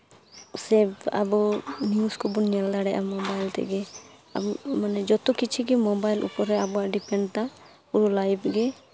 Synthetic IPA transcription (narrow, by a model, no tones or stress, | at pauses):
sɛba̰buniuskɔbunɛld̪aɽɛʔa̰mɔbajlt̪ɛ̰ɡɛ | a̰bumanɛd͡ʒɔt̪ukit͡ʃʰiɡimɔbajlʔṵpɔɾɛabɔaʔɖipɛɳɖt̪a | uɾulajbʰɡɛ